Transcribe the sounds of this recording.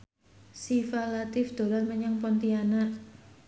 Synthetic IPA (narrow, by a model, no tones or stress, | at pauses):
sifalat̪ɪfd̪̥o̤lanməɲaŋpɔnt̪ianaʔ